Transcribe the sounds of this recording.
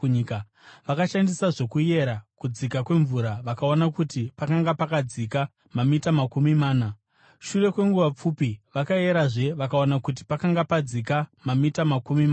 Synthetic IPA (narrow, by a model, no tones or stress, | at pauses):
ika | ʋakaʃandisaʐokuje̞ɾakud͡zikakwe̞ɱvuɾaʋakao̞nakutipakaŋɡapakad͡zika | mamitamakumimaːna | ʃure̞kwe̞ŋɡuʋap͡fupiʋakaje̞ɾaʐe̞ʋakaonakut̬i̥pakaŋɡapad͡zikamamitamakumimaː